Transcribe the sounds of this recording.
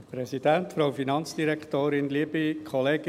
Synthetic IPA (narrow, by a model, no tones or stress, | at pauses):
pɾɛsid̥̪ænt̪fɾoʊfinɑnt͡sd̥iɾɛktoːɾɪnliəbikʰχɔleːɡ̥